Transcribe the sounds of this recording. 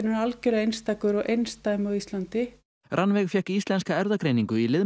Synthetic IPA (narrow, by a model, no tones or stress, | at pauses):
nʏnalcɛlaejnst̪aːkʏɾɔɣʔejnst̪ajmɔɣist̪lant̪ɪ | ɾʔanvɛɣfjɛhkist̪lɛnskaɛɾðakɾejniŋkʏilɪð